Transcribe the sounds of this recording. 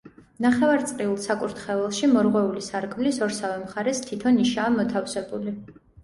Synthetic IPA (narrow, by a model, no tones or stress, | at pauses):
naχɛvaɾt̪sʼqʼiulˠsakʼuɾt̪ʰχɛvɛlˠʃimɔɾʁwɛulisaɾkʰmlisɔɾsavɛmχaɾɛst̪ʰit̪ʰɔniʃaːmɔt̪ʰafsɛbuli